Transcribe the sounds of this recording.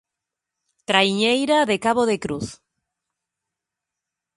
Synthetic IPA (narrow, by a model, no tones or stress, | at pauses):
t̪ɾaiɲejɾaðekaβoðekɾuθ